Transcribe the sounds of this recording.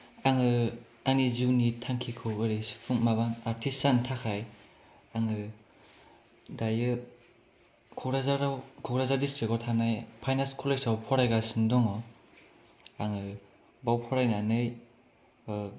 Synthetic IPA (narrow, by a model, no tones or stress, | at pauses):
aŋɯ | aniziwnitʰaŋkʰikʰɯɯɾisɯ̥tʰuŋmaβanaɾtʰisantʰakʰaj | aŋɯ | dajɯ | kʰɔɡɾazaɾawkʰɔɡɾazadistɾikɔtʰanajpʰajnaskʰɔleksawpʰɔɾajɡasindɔŋɔ | aŋɯ | bawpʰɔɾajnanɯj